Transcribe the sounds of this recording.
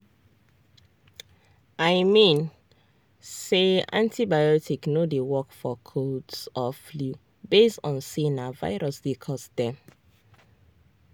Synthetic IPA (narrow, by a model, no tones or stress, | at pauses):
aɪmĩn | seã̰ntʰibajɔtʰiknodewɔkfɔkʰodsɔflu | besɔ̃nsenava̰ɪɹɔsdekʰɔsdɛ̃m